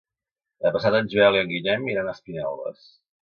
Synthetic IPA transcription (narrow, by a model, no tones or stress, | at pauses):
əpəsat̪ənʲzβɛlˠiəŋɡiʎɛmeɾənəspinɛ̰lˠðə̰s